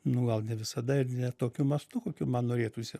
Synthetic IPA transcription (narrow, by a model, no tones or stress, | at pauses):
nʊɡɐlˠnʲɛʋʲɪsɐd̪ɐɪrnʲɛt̪oːkʲʊmɐst̪ʊkoːkʲumɐnnoːɾʲeːt̪uːsʲɪ